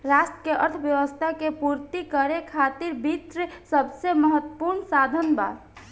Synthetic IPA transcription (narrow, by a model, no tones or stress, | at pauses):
ɾasʈəkeʔə̰ɾt̪ʰbjəʋəst̪ʰakepuɾt̪ikəɾekʰat̪iɾbʱit̪ɾsəbseməɦət̪ːəpuɾɳsad̪ʱənba̰ːt̪